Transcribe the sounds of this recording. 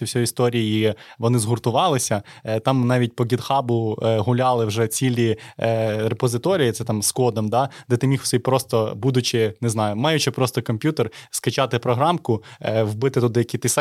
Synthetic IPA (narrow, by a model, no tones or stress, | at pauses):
wsʲɔjist̪ɔɾʲijjiʋɔnɪzɦʊrt̪ʊʋɑlˠɪsʲɐt̪ɑmnɑʋʲit̚ʲpɔɡʲid̪xɑbʊɦʊlʲɑlˠɪwʒɛt͡sʲilʲi | ɾepɔzɪt̪ɔɾʲijit̪sɛt̪ɑmskɔd̪ɔmd̪ɑd̪ɛt̪ɪmʲixʊ̥sɪjʲpɾɔst̪ɔbud̪ʊt͡ʃɪneznɑjʊmɑjʊt͡ʃɪpɾɔst̪ɔkɔmʲpʲjut̪erskɐt͡ʃɑt̪ɪpɾɔɦɾɑmkʊʋbɪt̪ɪt̪ʊd̪ɪjɐkʲit̪ɪs